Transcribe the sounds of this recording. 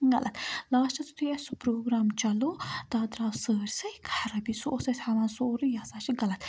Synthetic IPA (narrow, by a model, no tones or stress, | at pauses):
ɡɐ̰lʔɐt̪laːʃt͡ʃɐt̪u̥t̪ʰujɛsupɾoːɡɾaːmt͡ʃɐlot̪aːd̪ɾaːsəːɾsɐjkʰḁħɾɐbisoʔːsɐjt̪aʋaːnsoɾijaːsaːʃiɡɐlɐt̪